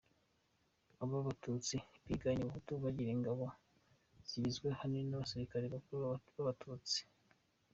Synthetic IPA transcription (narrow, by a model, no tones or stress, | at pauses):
aβaβatut͡siβiɡaɲiβakutuβaɟiɾeŋɡaβo | z̥iβizɡwe̞hanenaβasiɾikaɾeβakuɾuβaβatʰuːt͡si̥